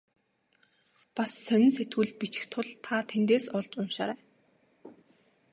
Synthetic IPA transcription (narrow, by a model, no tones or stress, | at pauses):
pasːœnʲɪ̆nset̪ɡɘ̆ɮ̚pit͡ɕɪ̥̆xt̪ʰʊɮt̪ʰat̪ʰent̪eːsɔɮt͡ɕʊnʃa̰ːɾæː